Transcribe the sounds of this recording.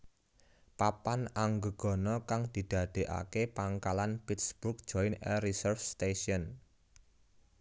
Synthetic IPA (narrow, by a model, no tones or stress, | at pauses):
papanaŋɡəɡ̥ɔ̤nɔkaŋd̪̥i̤d̪̥a̤d̪̥e̤ʔa̰kepaŋkalanpitsb̥uk̚d̥ʒ̥ɔjnɛrisərfst̪eʃiɔn